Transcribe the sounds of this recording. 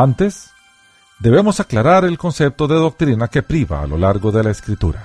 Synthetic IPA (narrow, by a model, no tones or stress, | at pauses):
ant̪e̞s | d̪e̞βe̞mo̞saklaɾaɾe̞lko̞nsep̚t̪o̞ðe̞ðo̞k̚t̪ɾinake̞pɾiβa̰ːlo̞̰laɾɣo̞ðe̞laeskɾit̪uɾa